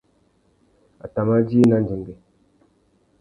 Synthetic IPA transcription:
a̰˨ta˨ma˦d͡ʒi˦i˦na˦nd͡ʒi˨ŋɡi˨

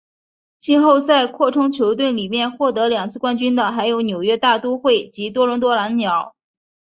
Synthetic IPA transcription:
t͡ɕi˥˧xo˥˧ʊt͡sa˥˧ɪkʰwɔ˥˩ʈ͡ʂʰʊ˥ŋt͡ɕʰjo˧˥ʊt̪̬we˥˩nli˨˩mjɛ˥˧nxwɔ˥˩t̪ɤ˧˥ljɑ˨˩ŋt͡sʰɹ̩˥˩kwa˥nt͡ɕy˥nd̪ə˨xa˧˥ɪjo˧˥ʊnjo˨˩ʊɥɛ˥t̪a˥˩t̪u˥xwe˥˩ɪt͡ɕi˧˥t̪wɔ˥ɻʊ˧˥ŋt̪wɔ˥la˧˥nnjɑ˨˩˦ʊ

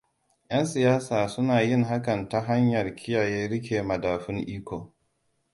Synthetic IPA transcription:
j̰ɐ˦nsɪ˨jaː˦saː˨sʊ˦naː˨jɪ˦˨ŋɦa˦kɐ˨nta˦ɦa˦ɲjɐ˨rkʲʰɪ˦jaː˨jeː˦ɽɪ˦k̬ʲeː˨mɐ˨daː˨ɸɪ˦ŋʔiː˦kʷo˨

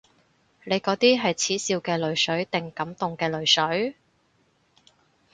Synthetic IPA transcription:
le˨˧jkɔː˨˥t̪iː˥ɦɐ˨jt͡sʰiː˨˥siː˧wkɛː˧lɵ˨˧ɥsɵ˨˥ɥt̪ɪ˨ŋkɐ˨˥mt̪ʊ˨ŋkɛː˧lɵ˨˧ɥsɵ˨˥ɥ

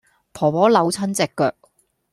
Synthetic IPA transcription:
pʰɔː˨˩pɔː˨˥lɐ˨˧wt͡sʰɐ˥nt͡sɛ˨kːœ̰ː˨k̚

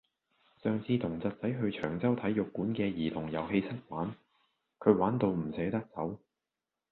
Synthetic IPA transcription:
sœː˨˧ŋt͡sʰiː˧t̪ʰʊ˨˩ŋt͡sɐ˨t̚t͡sɐ˨˥jɦɵ˧ɥt͡ʃʰœː˨˩ŋt͡sɐ˥wt̪ʰɐ˨˥jjʊ˨kːuː˨˥nkɛː˧jiː˨˩t̪ʰʊ˨˩ŋjɐ˨˧whe˧jsɐ˥t̚waː˨˥n | kʰɵ˨˧ɥwaː˨˥nt̪o˧wm̩˨˩sɛː˨˥t̪ɐ˥k̚t͡sɐ˨˥w

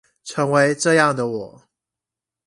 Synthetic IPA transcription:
ʈ͡ʂʰɤ˧˥ŋwe˧˥ɪʈ͡ʂɤ˥˧jɑ˥˩ŋd̪ə˩wɔ˨˩˦

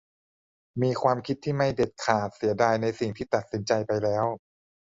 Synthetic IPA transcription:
miː˧kʰwaː˧mkʰi˦˥t̪ʰːiː˥˩ma˥˩jde˨˩t̪̚kʰaː˨˩t̪̚si˩˦ɐdaː˧jna˧jsi˨˩ŋt̪ʰiː˥˩t̪a˨˩t̪̚si˩˦nt͡ɕa˧jpa˧jlɛː˦˥w

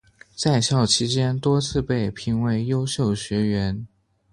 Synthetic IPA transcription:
t͡sa˥˧ɪɕjɑ˥˩ʊt͡ɕʰi˥t͡ɕjɛ˥nt̪wɔ˥t͡sʰɹ̩˥˧pe˥˩ɪpʰi˧˥ŋwe˧˥ɪjo˥ʊɕjo˥˩ʊɕɥɛ˧˥ɥɛ˧˥n

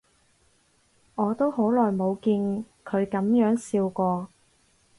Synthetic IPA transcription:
ŋɔː˨˧t̪o˥who˨˥wlɔː˨˩jmo˨˧wkiː˧n | kʰɵ˨˧ɥkɐ˨˥mjœː˨˥ŋsiː˧wkɔː˧

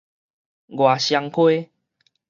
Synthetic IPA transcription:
ɡwa˨˩ɕja˧ŋkʰwe˦

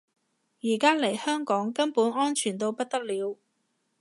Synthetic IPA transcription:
jiː˨˩kaː˥le˨˩jhœː˥ŋkɔː˨˥ŋkɐ˥npuː˨˥nɔː˥nt͡ʃʰyː˨˩nt̪o˧wpɐ˥t̚t̪ɐ˥k̚liː˨˧w

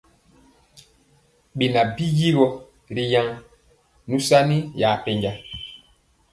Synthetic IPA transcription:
ɓi˨na˨bi˦ji˦ɾɔ˦ | ɾi˨ja˦ŋ | nũ˦sa˦ni˦jaː˨pe˦ɲɟa˦

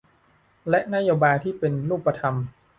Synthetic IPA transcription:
lɛ˦˥ʔna˦˥joː˧baː˧jt̪ʰiː˥˩pe˧nɾuː˥˩pːa˧t̪ʰa˧m

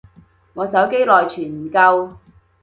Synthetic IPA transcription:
ŋɔː˨˧sɐ˨˥wke˥jlɔː˨jt͡ʃʰyː˨˩m̩˨˩kɐ˧w

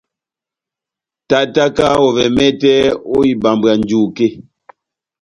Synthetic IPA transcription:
ta˦˨ʔta˦ka˦wɔ˨vɛ˨mɛ˦tɛ˦o˦i˨ba˨mba˨n˦d͡ʒu˦˨ke˦˨

